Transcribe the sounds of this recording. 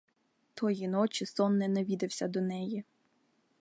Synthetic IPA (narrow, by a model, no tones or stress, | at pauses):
t̪ʰɔjinɔt͡ʃisɔnːɛnɐʋʲid̪ɪwsʲɐd̪ɔnɛji